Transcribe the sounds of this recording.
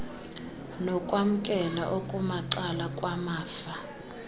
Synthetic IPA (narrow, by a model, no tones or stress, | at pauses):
nɔkʼwam̩kʼɛnaʔokʼumaǀalakʼwamaːfa